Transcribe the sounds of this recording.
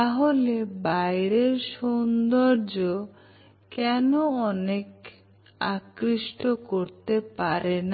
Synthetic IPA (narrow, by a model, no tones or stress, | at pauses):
aɦolebajɾeɾʃond̪oɾd͡ʑo | kɛnoɔnek | a̰kɾiʃʈokoɾt̪epaɾen